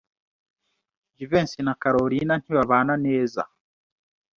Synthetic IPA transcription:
d͡ʒiveːnsinakaɾoɾinan̥hiβaβaːnaneːza̰

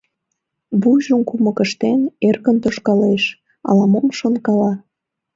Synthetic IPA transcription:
βuʒəmkumə̆kəʃt̪enerkənt̪oʃkɑleʃ | ɑ̰lɑmomʃonkɑlɑ

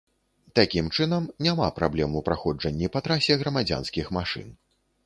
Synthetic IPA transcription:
t̪akʲimt͡ʂɨnɐmnʲama̰pɾablʲɛmupɾaxɔd͡ʐɐnʲːipɐt̪ɾasʲɛɣɾɐmad͡zʲa̰nskʲixmaʂɨ̰n

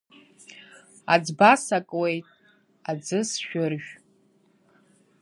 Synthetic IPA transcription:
ad͡zbasakʼwe̞jtʼ | ad͡zɨsʃᶣʊrʒᶣ

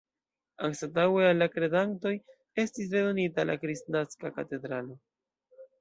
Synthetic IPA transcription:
aŋsatawealːakɾe̞danto̞j | e̞stis̬ɾe̞do̞nitalʔa̰kɾisnaskakate̞dɾalo̞

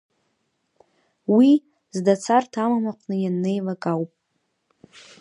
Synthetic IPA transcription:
wi | zdat͡sʰartʰamamaqʷnɨjanːe̞jlakʼawpʼ

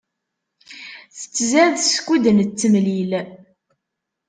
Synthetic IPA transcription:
θə̥t͡sːzæðskʷːud̪ənt͡sːəmlil

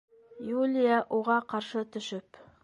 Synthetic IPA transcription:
julʲɪjaʔuʁɑqɑɾʃɤt̪ɵ̆ʃɵp

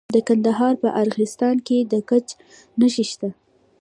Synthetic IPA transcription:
d̪əkand̪aɦɑɾpəʔaɾɣɪst̪ɑnked̪əkat͡ʃ | naʃiʃt̪a

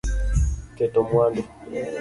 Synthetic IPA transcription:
kɛtɔmwandɔ

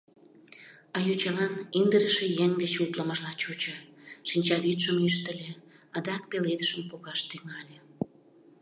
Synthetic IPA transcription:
ɑjut͡ɕɑlɑnind̪əɾəʃejeŋd̪et͡ɕult̪ləməʒlɑt͡ɕot͡ɕəʃinʲt͡ɕɑβit̪ʃəmyʃt̪əlʲe | ɑd̪ɑk̚peled̪əʃəmpoɣɑʃt̪yŋɑlʲe

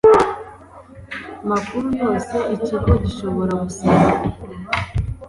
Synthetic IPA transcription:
amakuɾujo̞ːse̞ʔit͡ʃakoɟiʃo̞βo̞ɾaɡusaɾa

